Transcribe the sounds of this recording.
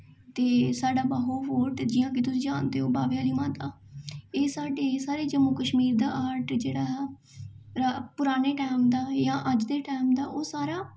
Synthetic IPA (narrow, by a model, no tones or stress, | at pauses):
t̪eːsaːɖaːbəɦoːʋoːʈd͡ʒɪːjãːkɪt̪ʊsĩːd͡ʒaːnd̪eːɦoːbaːʋejaːliːmãːt̪aːeːsaːɖeːsaːɾeːd͡ʒəmːuːkəʃmiːɾd̪aːʔaːɾʈd͡ʒeːɽaːɦɛː | ɾapʊɾaːneːʈaːmd̪aːjãːʔəd͡ʒd̪eːʈaːmd̪aːʔoːsaːɾaː